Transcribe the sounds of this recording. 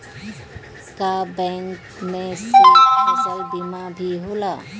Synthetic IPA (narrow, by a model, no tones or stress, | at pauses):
kabɛ̃ŋk | mẽsəəzəlbimabʱiɦola